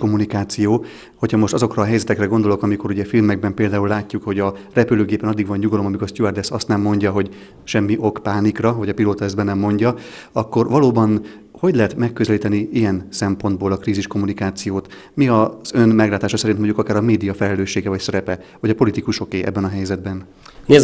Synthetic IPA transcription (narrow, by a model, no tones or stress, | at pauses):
omunikaːt̪sijoː | ho̞cʰhɒmo̞ʃt̪ɒzo̞krɒːɦɛjzɛt̪ɛkrɛɡond̪o̞lo̞kɒmiko̞ɾuɟɛfilmɛɡ̚bɛmpeːld̪aːulːaːcːukho̞ɟɒrɛpyløːɡeːpɛnɒd̪ːiɡʋɒɲɲuɡɒlo̞mɒmikorst̪uɛrd̪ɛsɒst̪nɛmːo̞ɲɟɒɦo̞ɟ | ʃɛmːiʔo̞kpaːnikrɒvɒɟɒpiloːt̪ɒɛzbɛnɛmːo̞ɲɟɒ | ɒkːo̞rvɒloːbɒn | ho̞ɟlɛɦɛt̪mɛkːøzɛliːt̪ɛniijɛnsɛmpo̞nd̪̚boːlɒkriːziʃko̞munikaːt̪sijoːt̪ | miɒz̥ø̞nmɛɡlaːt̪aːʃɒsɛɾinmo̞ɲɟukɒkaːɾɒmeːd̪ijɒfɛlɛløːʃːeːɡɛvɒcsɛɾɛpɛhoɟɒpo̞lit̪ikuʃo̞keːʔɛ̰bːɛnɒɦɛjzɛd̪̚bɛn | nez